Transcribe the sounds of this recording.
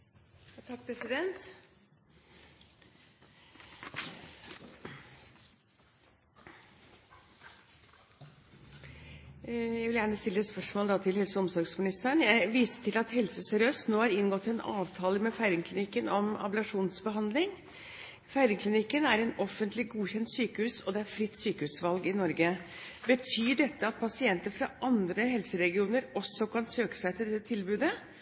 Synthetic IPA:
ɑt̪ʰɑk̚ːpʰɾɛsɪd̪ɛnt̪ | jæɪʋɪljæːɳəst̪ɪlːəɛt̪spœʂmoːləd̪ɑːt̪ʰɪlhɛlsəɔmsɔɾɡsmɪnɪst̪əɳjæɪʋiːsə̥ʈʰɪlɑt̪hɛlsəsœɾøːst̪noːhɑɾɪnɡɔt̪ːɪɛnɑ̰ːʋt̪ʰɑːləmɛfæɪɾɪŋkʰlɪnɪkːənɔmɑ̰bəlɑʂuːnsbəɦɑnd̪lɪŋ | fæɪɾɪŋkʰlɪnɪkːənæɾɛnɔfənt̪lɪɡuːçɛnt̪syːkəhʉːsɔd̪ɛæɾfɾɪt̪ːsyːkəhʉːsʋɑlɡɪnɔɾɡə | bət̪ʰyːɖɛt̪ːəɑt̪̚pʰɑsɪɛnt̪əɾfɾɑʔɑnd̪ɾəɦɛlsəɾɛɡɪuːnəɾɔsːɔkʰɑnsøːkə̥sæɪt̪ʰɪld̪ɛt̪ːət̪ʰɪlbʉːd̪ə

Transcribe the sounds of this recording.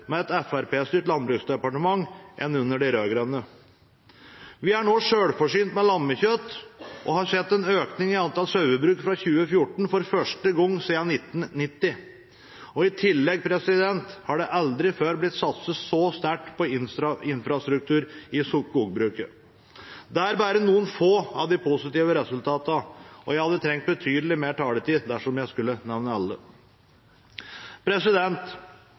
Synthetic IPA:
mɛɛt̪ɛfæɾpeːst̪yːʈlɑnbɾʉːksd̪ɛpɑʈəmɑŋːʔɛ̰nːʉnːəɖɛɾøːɡɾœnːə | ʋɪæɳoːʂøːɽfɔʂyːnt̪mɛlɑmːəçœt̪ʔɔ̰hɑɾsɛt̪ːɛnøːknɪŋɪɑnt̪ɑlsœʉəbɾʉːkfɾɑçʉːəfjʊʈɳ̩fɔɾfœʂʈəɡɔŋːsiːɑnɪt̪ːn̩nɪt̪ːɪ | ɔɪt̪ʰɪlːɛɡpʰɾɛsɪd̪ɛnt̪hɑɖɛʔɑld̪ɾɪføːɾblɪt̪ːsɑt̪səsɔst̪æʈpʰɔɪnsɾɑɪnfɾɑst̪ɾʉk̚t̪ʉːɾɪsukuːɡbɾʉːkə | d̪ɛæɾbæːɾənuːənfoːɑʋd̪ɪpʰʊsɪt̪iːʋəɾɛsʉlt̪ʰɑːt̪əəʔɔ̰jæɪhɑd̪ːət̪ʰɾɛŋkt̪̚bət̪ʰyːd̪əlɪmeːʈʰɑːlət̪iːd̪æʂɔmjæɪskʉlːənɛʋnəɑlːə | pʰɾɛsɪd̪ɛnt̪

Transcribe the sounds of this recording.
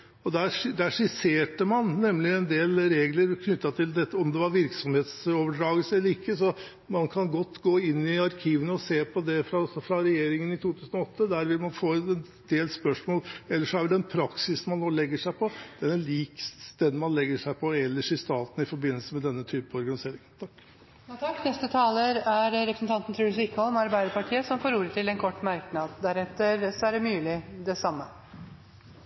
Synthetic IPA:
ɔd̪æɾd̪æʂɪseːʈəmɑnnɛmːlɪɛnd̪eːlɾeːɡləɾkʰnʏt̪ːɑt̪ʰɪld̪ɛt̪ːəɔmd̪ɛʋɑɾʋɪɾksɔmheːt̪soːʋəɖɾɑːɡəlsəɛlːəɾɪkːəsɔ | mɑnkʰɑnɡɔt̪ːɡoːɪnːɪɑɾkʰiːʋənəɔseːpʰɔd̪ɛfɾɑɔsɔfɾɑɾɛjeːɾɪŋənɪt̪ʰuːt̪ʰʉːsənɔɔt̪ːəd̪æːɾʋɪlmɑnfoːɛn | d̪̥eːlspœʂmoːlɛlːəʂɔæɾʋɪd̪ɛnpʰɾɑksɪsmɑnːoːlɛɡːəʂæɪpʰɔd̪̥ɛnɛliːksst̪ed̪mɑnlɛɡːəʂæɪpʰɔɛlːəʂɪst̪ɑːt̪n̩ɪfɔɾbɪnːəlsəmɛd̪ɛnːət̪ʰyːpəɔɾɡɑnɪseːɾɪŋənt̪ʰɑkː | jt̪ʰɑkːnɛst̪ət̪ʰɑːləɾæɾɾɛpɾəsən̩t̪ɑnt̪n̩t̪ʰɾʉːsɪkːəɔmɑɾbæɪd̪əɾpɑʈʰiːəsɔmfoːɾuːɾət̪ʰɪlɛnkʰɔʈːmæɾknɑd̪d̪æɾɛt̪ːəɾsɔæɖɛmʉːlɪd̪ɛsɑmːə

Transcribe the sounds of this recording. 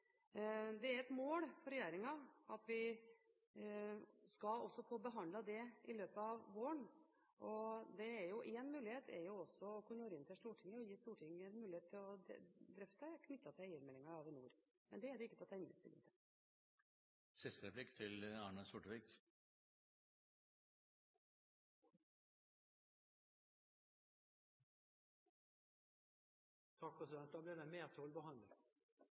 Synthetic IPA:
d̪ɛæɾɛt̪moːlfɔɾɛjeːɾɪŋɑɑt̪ʋɪ | skɑlɔsːɔpʰɔːbəɦɑnd̪lɑd̪ɛʔɪløːpəɑʋʋoːəɳ | ʔɔd̪ɛːɾjʊʔeːnmʉːlɪheːt̪ʰɛ̰ɾjʊɔsːɔɔkʉnːəjøːɾəɪnt̪ʰɛʂt̪uːʈʰɪŋːəɔjiːst̪uːʈʰɪŋːəɛnmʉːlɪeːt̪ʰːɪlɔd̪ɾʏft̪əkʰnʏt̪ʰːɑt̪ʰɛɛɪəɾmɛlːɪŋɑɾɑʋɪnṵːɾ | mɛnd̪ɛæɖ̪ɛɪkːət̪ɪlɔt̪ʰæɪnːə̰st̪ɪ̰lɪ̰ŋt̪ə | sɪst̪əɾɛplɪkːt̪ʰɪlɑːɳəsʊʈʋɪk | t̪ʰɑk̚pʰɾɛsɪd̪ɛnt̪ɑblɪd̪ɛmeːt̪ʰoːlbəhɑnd̪ə

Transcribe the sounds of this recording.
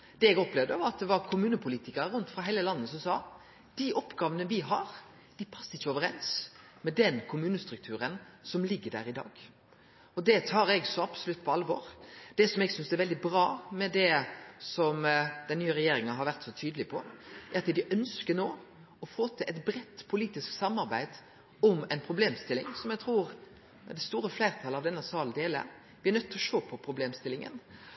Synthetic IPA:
d̪̥ɛɛɡɔplɛʋd̪əʋɑɾɑt̪̚d̪ɛʋɑɾkʰʊmʉːnəpʰʊliːt̪ɪkəɾəɾʉnt̪fɾɑɦæɪləlɑnːəsɔmsɑː | d̪̥iʔɔpɡɑːʋənəʋɪɦɑɾ | d̪̥ɪpʰɑsːəɪçːəoːʋəɾɛns | mɛd̪ɛnkʰʊmʉːnəst̪ɾʉk̚t̪ʰʉːɾənsɔmlɪɡːəɖæ̰ːɾɪd̪ɑ̰ːɡ̥ | ɔd̪ɛt̪ʰɑːɾɛɡsɔɑbsɔlʉt̪ːpʰɔɑlʋɔːɾd̪̥ɛsɔmɛɡsʏnsɛɾʋɛld̪ɪbɾɑːmɛd̪ɛsɔmd̪̥ɛnnyːəɾɛjeːɾɪŋɑɦɑɾʋæɾt̪sɔt̪ʰyːd̪əlɪpʰɔʔæɾɑt̪d̪ɪʔœnskənoː | ɔfoːt̪ʰɪlʔɛt̪bɾɛt̪ːpʰʊliːt̪ɪsksɑmːɑɾbæɪd̪̥ | ɔmɛɪnpʰɾʊbleːmst̪ɪlːɪ̰ŋsɔmjɛɡ̚t̪ʰɾuːɾ | d̪ɛst̪uːɾəflæɪɾt̪ʰɑlɑʋd̪ɛnːəsɑːləd̪eːlə̰ | ʋɪæɾnœt̪ːɔʃoːpʰɔpʰɾʊbleːmst̪ɪlɪŋə̰n

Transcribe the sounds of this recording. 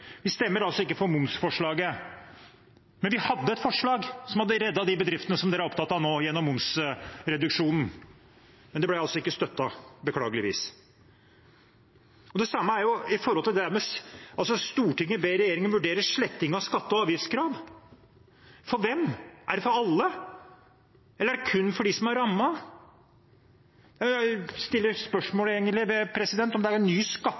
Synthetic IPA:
ʋɪst̪ɛmːəɾɑlsɔɪkːəfɔɾmʊmsfɔʂɭɑːɡə | mɛnʋɪhɑd̪ːəɛt̪fɔʂɭɑːɡsɔmhɑd̪ːəɾɛd̪ːɑd̪ɪbəd̪ɾɪft̪ənəsɔmd̪ɛːɾæɾɔp̚t̪ʰɑːt̪ːɑnoːjɛnːɔmːʊmsɾɛd̪ʉkʂuːnn̩ | mɛnd̪ɛb̪læɑlsɔɪkːəst̪œt̪ːɑbəkʰlɑːɡəlɪʋḭːs | ɔd̪ɛsɑmːəæɾjʊɪfɔɾɔlt̪ɪld̪ɛæɾmɛɑlsɔst̪uːʈɪŋːəbeɾɛjeːɾɪŋənʋʉɖeːɾəʂɭɛt̪ːɪŋɑskɑt̪ːəɔɑːʋjɪskʰɾɑːʋ | fɔɾʋɛmʔæɖɛfɔɾɑlːə | ɛlːɾæɖɛkʰʉnːfɔɖɪsɔmæɾɑmːɑ | æst̪ɪlːəɾspœʂmoːleːɡənlɪʋɛpʰɾɛsɪd̪ɛnt̪ɔmd̪ɛæɾɛnːyːskɑt̪ː

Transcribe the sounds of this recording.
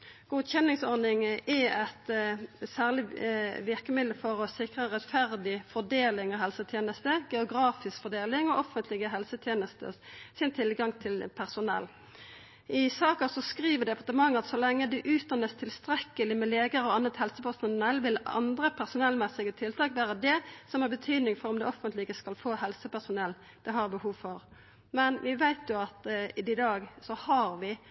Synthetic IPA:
ɡ̥uːd̪çɛnːɪŋsɔɾnɪŋɛɛt̪sæːʁlɪʋɪʁkəmɪd̪əlfɔʁɔsɪkʁəʁɛt̪fæʁd̪ɪfɔd̪eːlɪŋɔɦɛlsət̪ʰjeːnəst̪əɡɛʊɡɾɑːfɪskfɔʁd̪eːlɪŋɔʔɔfənt̪ʰlɪɡəɦɛlsət̪ʰjeːnəst̪ə̰sɪnt̪ʰɪlɡɑŋt̪ʰɪlpʰæʁsʊnɛ̰lː | ɪsɑːkɑsɔskʁiːʋəd̪ɛpʰɑʁt̪əmɑŋːɑt̪sɔlɛŋːəd̪ʉʔʉːt̪̚d̪ɑnːəst̪ʰɪlst̪ɾɛkːəlɪmɛleːɡəɾɔɑnːət̪hɛlsəpʰæsʊnɛlʋɪlɑ̰nd̪ɾəpʰæʁsʊnɛlmɛsɪɡət̪ʰɪlt̪ʰɑːkʋæːʁəd̪ɛsɔmhæʁbət̪ʰyːd̪nɪŋfɔʁɔmd̪ɛɔfənt̪lɪɡəskɑlfoːhɛlsəpæsʊnɛlː | d̪̥ɛɦɑʁbəhuːʋfɔʁ | mɛnʋɪʋæɪt̪jʊɑt̪ɪɪd̪ɑːɡsɔhɑɾʋɪ

